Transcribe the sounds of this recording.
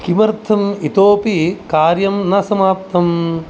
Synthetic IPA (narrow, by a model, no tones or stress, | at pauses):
kimɐɾt̪ʰɐmit̪oːpikaːɾjɐmnɐsɐmaːpt̪ɐm